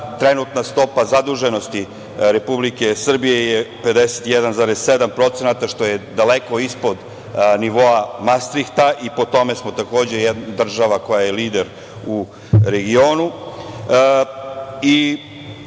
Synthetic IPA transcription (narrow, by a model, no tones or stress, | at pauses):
t̪ɾe̞nut̪nast̪o̞pazad̪uʒe̞no̞st̪i | ɾe̞publike̞sr̩bije̞jepe̞d̪eset̪ijed̪anzaːɾesːed̪ampɾo̞t̪se̞nat̪aʃt̪o̞je̞d̪aleko̞ispo̞d̪ | niʋo̞amast̪ɾikt̪aʔipo̞t̪o̞me̞smo̞t̪ako̞ːd͡ʑe̞jed̪nd̪r̩ʒaʋako̞jaje̞liːd̪eɾ | u | ɾeɡio̞ːnu | i